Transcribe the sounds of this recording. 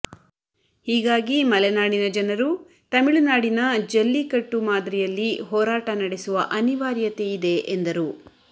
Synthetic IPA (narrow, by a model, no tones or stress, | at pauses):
hiːɡaːɡimɐlɛnaːɽinɐd͡ʒɐnɐɾu | t̪ɐmiɭunaːɽinɐd͡ʒɐlːikɐʈːumaːd̪ɾɛjɐlːiɦɔːɾaːʈɐnɐɽesuʋɐʔɐniʋaːɾjɐt̪e̞id̪e̞ʔend̪ɐɾu